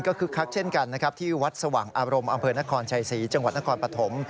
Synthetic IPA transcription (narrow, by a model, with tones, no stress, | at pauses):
nkɔː˥˩kʰɯː˧kʰa˦˥k̚t͡ɕʰe˥˩nka˧nː˦˥kʰa˦˥t̪ʰiː˥˩wa˦˥t̪̚sa˧wa̰ː˨˩ŋʔaː˧ɾo˧mʔa˧mpʰɤː˧na˦˥kʰɔː˧nt͡ɕʰa˧jsiː˩˦t͡ɕa˧ŋwa˨˩t̪̚na˦˥kʰːnpɾa˧t̪ʰo˩˦m